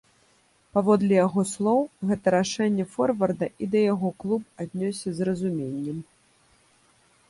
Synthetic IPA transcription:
pavɔd̪lʲɛjaɣɔslˠɔwɣɛt̪ɐɾaʂɛnʲːɛfɔrvɐrd̪ɐʔid̪ɐjaɣɔklˠupad̪ʲnʲɔsʲɛzrɐzumʲenʲːɛm

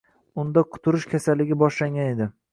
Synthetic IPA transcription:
ʊnd̪aqʰʊ̥t̪ʰʊɾɪʃkʲʰasalːɪɡʲɪbɒʃlaŋɡʲane̞d̪ɪ

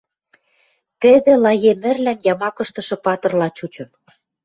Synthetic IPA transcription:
t̪ɘ̆d̪ĕlɑjemɘ̆rlænjɑmɑkɤ̆ʃt̪ɤ̆ʃɤ̆pɑt̪ɤ̆rlɑt͡ɕut͡ɕɤ̆n

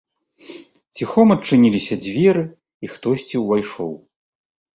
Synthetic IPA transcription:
t͡sʲixɔmɐt͡ʂːɨnʲilʲisʲɐd͡zʲvʲɛɾɨ | ixt̪ɔsʲt͡sʲiwvajʂɔw

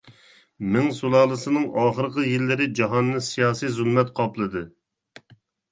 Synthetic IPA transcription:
mɪŋsulˠɑːlˠɨsɨnɨŋɑːχəɾqəjilːɪɾɪd͡ʒɑɦɑnːɨsijɑːsijzulˠmɛt̪qʰɑplˠɨd̪ɨ

